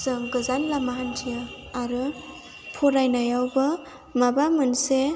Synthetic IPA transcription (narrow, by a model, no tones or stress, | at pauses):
zɯŋɡɯzanlamaɦantʰijɯ | aɾɯ | pʰɔɾajnajawbɯ | mabamɯnse